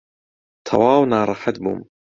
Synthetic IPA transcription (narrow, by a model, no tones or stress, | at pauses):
t̪ʰɑ̰waːwnaːɾˤɑħat̪bṵm